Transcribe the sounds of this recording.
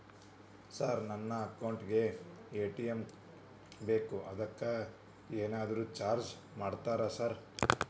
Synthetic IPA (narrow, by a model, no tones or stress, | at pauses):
saːɾnɐnːɐːkɐwɳʈɡe̞eːʈijem | be̞ːkuɐd̪ɐkːɐ | eːnaːd̪ɐɾuːt͡ʃaːɾd͡ʒ | maːɖt̪aːɾɐsaːɾ